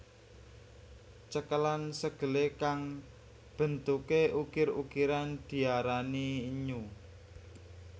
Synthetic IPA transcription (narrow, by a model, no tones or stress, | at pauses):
t͡ʃəkəlansəɡ̥ə̤lekaŋ | b̥ə̤nt̪ukeukɪɾṵkiɾand̪̥i̤aɾaniːɲu